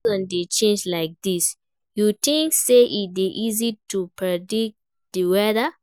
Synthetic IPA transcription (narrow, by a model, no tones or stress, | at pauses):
ɔ̃ndet͡ʃẽnd͡ʒlaɪk̚d̥is | jutĩŋkseʔit̚biʔizitupɹɛdik̚ | diwɛðə